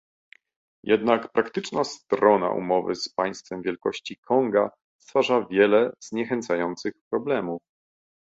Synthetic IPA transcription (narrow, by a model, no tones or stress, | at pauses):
jɛd̪nakpɾakt̪ɘt͡ʂnast̪ɾɔna̰ʔṵmɔvɘ̰spaj̃st̪fɛmvʲjɛlkɔɕt͡ɕikʰɔŋɡa | st̪faʐavʲjɛlɛz̥ɲɛxɛnt̪sajɔnt̪sɘxpɾɔblɛmuf